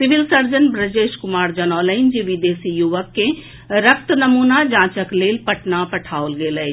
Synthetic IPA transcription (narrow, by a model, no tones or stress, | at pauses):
sɪʋɪlsəɾd͡ʒənbɾəd͡ʒeːʃkʊmaːɾd͡ʒənɔːləɪnd͡ʒiʋid̪eːsijuʋəkːẽ | ɾəkʰt̪nəmuːnad͡ʒãːt͡ʃəkleːlpəʈnapɐʈʰaːolɡeːləj